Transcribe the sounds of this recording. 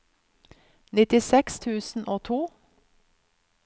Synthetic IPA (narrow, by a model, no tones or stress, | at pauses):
nɪt̪ɪsɛkst̪ʰʉːsn̩ʔoːt̪ʰuː